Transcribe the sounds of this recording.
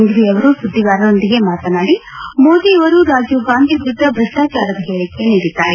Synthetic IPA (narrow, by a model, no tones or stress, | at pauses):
nd̪ɾiɐʋɐɾusud̪ʱːiɡaːɾɐno̞nd̪iɡe̞maːt̪ɐnaːɽi | mo̞ːd̪iːɐʋɐɾuɾaːd͡ʒuɡaːnd̪ʱibud̪ːɐbɾɐsʈaːt͡ʃaːɾɐd̪ɐɦeːɭike̞niːɽit̪ːaːɾe